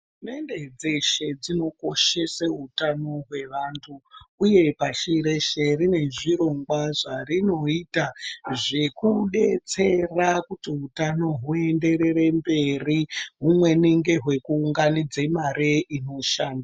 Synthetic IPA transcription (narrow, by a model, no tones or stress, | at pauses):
ume̞nde̞d͡ze̞ʃe̞d͡zino̞ko̞ʃe̞seɦutano̞ɦwe̞ʋantʰuːje̞paʃiɾeʃerine̞ʐiɾo̞ŋɡwaʐarino̞itaʐe̞kuɗe̞t͡se̞rakutiɦutano̞ɦue̞nde̞re̞re̞mbe̞riɦumwe̞niŋɡe̞ɦwe̞kuːŋɡanid͡ze̞maɾeʔino̞ʃaːnda